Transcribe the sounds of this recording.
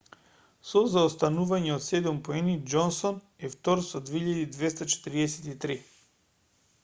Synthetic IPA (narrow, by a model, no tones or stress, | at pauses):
sɔzaost̪anuvaɲɛot̪sɛd̪umpoɛnid͡ʒɔnsɔn | ɛft̪ɔɾsɔd̪veiʎad̪id̪vɛst̪at͡ʃɛ̥t̪ɾiɛsɛt̪it̪ɾi